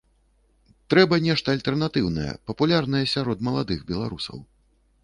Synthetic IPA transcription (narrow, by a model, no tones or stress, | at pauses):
t̪ɾɛbɐnʲɛʂt̪ɐːlʲt̪ɛrnat̪ɨwnɐ̰jɛ̰pɐpulʲarnɐjɛsʲaɾɔd̪mɐlˠad̪ɨɣbʲɛlˠaɾusɐ̰w